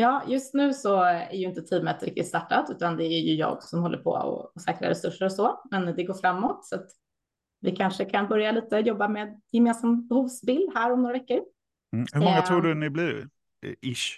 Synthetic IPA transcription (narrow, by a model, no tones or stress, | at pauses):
jɑːjɵst̪nʉ̟ːsɔæ̰ɾjɵɪnt̪ət̪ʰiːmət̪ɾɪkt̪ɪt̪st̪aʈːat̪ʉ̟ːt̪and̪ɛæɾjɵjɑ̰ːɡsɔmhɔlːə̰ɾpʰɔ̰ɔ̰sɛːkɾɪ̰a̰ɾɛsɵʂːəɾɔsɔmɛnd̪ɛɡoːɾfɾamːɔt̪sɔat̪ | vɪkʰanʂəkʰanbœɾjaliːt̪əjɔbːameːd̪jɛmeːnsambɛhuːvsbɪld̪hæːɾɔmnoːɾavɛkːəɾ̩ | hɵmɔŋːat̪ʰɾuːɖɵnɪbliɾ | ɪʂ